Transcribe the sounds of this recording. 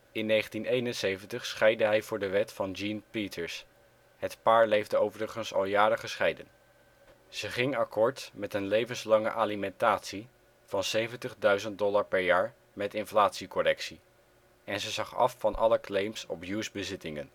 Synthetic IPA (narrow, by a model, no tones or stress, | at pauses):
ɪnːejχəntinejnənsejvəntəχsχɛjdəɦɛjvʊːɹdəʋɛtfɑnd͡ʒinpitʰəɹs | ɦətpaːɹlejvdəowvərəχənsɑ̰lˠjaːɾəχəsχɛjdən | z̥əχɪŋɑkɔːɹtmɛtənlejvənslɑŋə̰ʔaːlimɛntaːtsi | v̥ɑnsejvəntəχdœɥzənt̚dɔlaɹpɛɹjaːɹ | mɛtɪnflaːtsikɔrɛksi | ɛnzəzɑχɑ̰fːɑnʔɑ̰ləklejmsɔ̰pjusbəzɪtɪŋən